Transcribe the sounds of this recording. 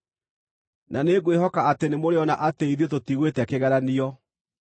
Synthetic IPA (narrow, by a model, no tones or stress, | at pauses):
naneɡwehɔkaatenemoɾeɔnaʔateiðetotiɣwetɛakeɣɛɾaniɔ